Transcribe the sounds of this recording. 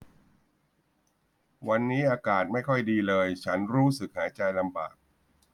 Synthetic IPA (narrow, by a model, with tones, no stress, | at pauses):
wa˧nːiː˦˥ʔaː˧kaː˨˩t̪̚ma˥˩jkʰɔ˥˩jdiː˧lɤː˧jt͡ɕʰa˦˥nɾuː˦˥sɯ˨˩k̚haː˩˦t͡ɕa˧jla˧mbaː˨˩k̚